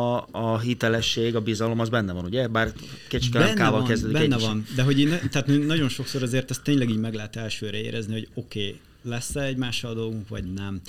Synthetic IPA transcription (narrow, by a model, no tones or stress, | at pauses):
ɦit̪ɛlɛʃːeːɡɒbizɒlo̞mɒzbɛnːɛvɒnuɟɛbaːrket͡ʃi̥kɛlɛnkaːvɒlkɛzd̪øːd̪ibɛːɛvɒnd̪ɛɦo̞ɟint̪ɛːt̪møːnɒɟo̞nʃo̞kso̞ɾɒzeːrt̪ɛst̪ːeːɲlɛɡiːɟmɛɡlɛɦɛt̪ɛlʃøːɾɛḛːɾʔɛzniɦo̞ɟo̞keː | lɛsːɛɛɟmaːʃːɒld̪o̞lɡuŋkʋɒ̰ɟnɛm